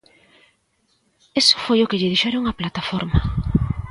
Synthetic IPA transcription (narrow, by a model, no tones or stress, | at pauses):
esʊ̥fojʊkɪʎɪðiʃɛɾoŋaplat̪afɔɾma